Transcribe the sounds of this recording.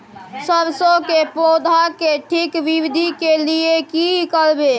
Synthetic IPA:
səbsokepod̪ʱakeʈʰikʋiʋid̪ʱikeliekikəɾbe

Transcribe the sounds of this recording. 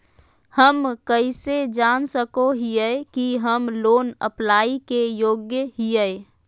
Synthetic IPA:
həmkəised͡ʒaːnsəkoɦijɛkiɦəmloːnə̰plaːikejoːɡjəɦijɛ

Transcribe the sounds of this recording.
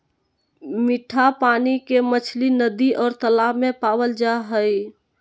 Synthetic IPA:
miʈʰapaːnikemət͡ʃʰlinəd̪iʔɔːɾt̪əlaːbmẽpaːwəld͡ʒaɦəj

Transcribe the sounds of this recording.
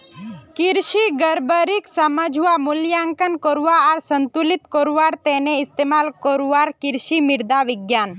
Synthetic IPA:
kiɾʃiɡəɾbəɾiksəməd͡ʒʱuʋamʊljaŋkənkɔɾuʋaaɾsənt̪ulit̪kɔɾuʋaɾt̪ɛneɪst̪emalkɔɾuʋaɾkiɾʃimiɾd̪aʋɪɡjaːn

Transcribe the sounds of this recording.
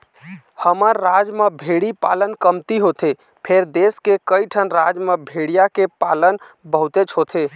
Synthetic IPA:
həməɾːad͡ʒmebʱeɽipa̰lənkəmt̪iɦot̪e | pʰeɾd̪eskekəiʈʰənɾad͡ʒmebʱeɽijakepalənbəɦut̪et͡ʃɦot̪e

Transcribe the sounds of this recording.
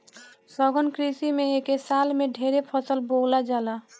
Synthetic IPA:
sɔɡənkɾisimẽekesaːlmẽɖʱeːɾepʰəsəlboːlad͡ʒaːlaː

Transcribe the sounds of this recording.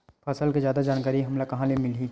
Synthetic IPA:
pʰaːsəlkezjaːd̪ad͡ʒaːnkaːɾiɦɐmlakɐɦãlemɪliː

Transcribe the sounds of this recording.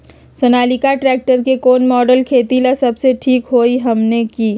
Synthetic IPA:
sonaːlɪkaʈɾɛːk̚ʈəɾkekoːnmɔːɖəlkʰeːt̪ilasɐbseʈʰiːkɦoːiɦɐmnekiː

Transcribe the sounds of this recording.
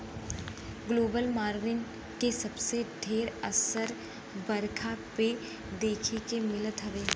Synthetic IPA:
ɡloːbəlmaːɾʋɪn | kesɐbseɖʱeːɾəsəɾ | bəɾkʰape | d̪eːkʰekemɪlət̪ɦɐʋeː

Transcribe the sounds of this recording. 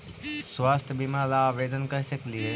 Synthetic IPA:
swaːst̪ʰbiːmaːɾlaʋeːd̪ənkɐɾsɐklie

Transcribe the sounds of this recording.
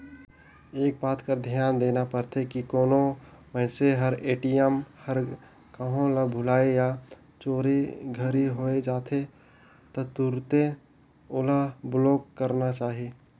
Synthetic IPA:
eːk̚baːt̪kad̪ʱjaːnd̪eːnapəɾt̪ʰekikoːnoməɪseɦəɾeːʈiəmhəɾ | kəɦõlabʱʊlaːeja | t͡ʃoːɾeɡʱəɾiɦoːed͡ʒaːt̪ʰe | t̪ot̪ʊɾt̪e | oːlabloːkkːəɾnat͡ʃaːɦie

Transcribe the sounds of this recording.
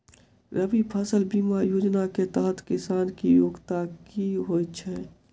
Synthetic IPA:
ɾəbipʰəsəlbiːmajoːd͡ʒnaket̪əɦət̪ʰkɪsaːnkijoːɡt̪akiɦojt͡ʃʰɛ

